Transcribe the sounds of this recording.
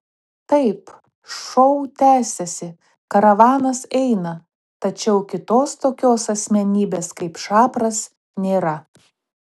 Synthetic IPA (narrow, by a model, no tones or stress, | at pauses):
t̪ɐɪp | ʃɔʊt̪ʲæːsʲɛsʲɪ | kɐɾɐʋɑːnɐsɛɪnɐ | t̪ɐt͡ʃʲɛʊkʲɪt̪oːst̪oːkʲoːsɐsʲmʲɛnʲiːbʲeːskɐɪpʃɑːpɾɐs | nʲeːɾɐ